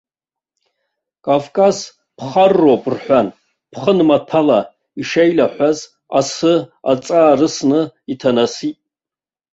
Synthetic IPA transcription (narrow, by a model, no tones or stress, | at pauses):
kʼavkʼaz | pʰχarːopʼrħʷan | pʰχənmatʰala | iʂejlaħʷaz | asɨa̰t͡sʼaːrɨsnɨitʰanasitʼ